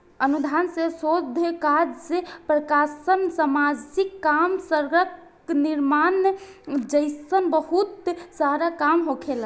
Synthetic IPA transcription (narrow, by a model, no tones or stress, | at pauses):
ənud̪ʱansesod̪ʱkad͡ʒsepɾəkasənsəmad͡ʒikːamsəɾɡək | niɾman | d͡ʒəɪsənbəɦut̪saɾakamɦokʰel